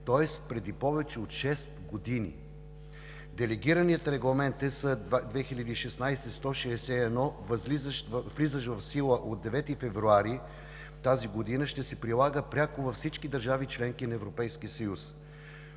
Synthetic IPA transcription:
t̪ɔɛst̪pɾɛd̪ipɔvɛt͡ʃɛot̪ʃɛst̪ɡod̪inḭ | d̪ɛlɛɡiɾəniət̪ɾɛɡlˠɐmɛnt̪ɛsəd̪vɛxilʲəd̪iːʃɛsnajsɛst̪ɔʃɛːsɛɛd̪nɔvzizʃvlizəʃvɐfsilˠəʔod̪̚d̪ːɛvɛt̪ifɛvɾuaɾi | t̪aziɡod̪inəʃt̪ɛsɛpɾilˠaɡəpɾʲakovɐfsit͡ʃkid̪əɾʒavit͡ʃlɛŋkinɐɛvɾopɛjskiəsəjus

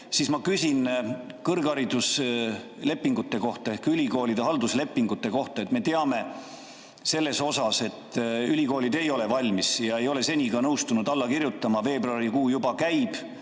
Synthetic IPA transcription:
sismɑkysʲinkɤrɡɑɾid̪us | le̞pˑːiŋɡ̥ut̪ːe̞ko̞ht̪ɑe̞hkylʲiko̞ːlid̪̥eɦɑld̪usle̞pˑːiŋɡut̪ːe̞ko̞ht̪ɑe̞t̪ˑme̞t̪eɑme̞ | se̞lːe̞so̞sɑse̞t̪ːˑylʲiko̞ːlʲid̪̥e̞jo̞le̞vɑlʲmisjɑe̞jo̞le̞se̞nʲiɡɑnɤwst̪unud̪̥ɑlːɑkirjut̪ˑːɑmɑve̞ːbroɑɾikuːjubɑkæjb̥

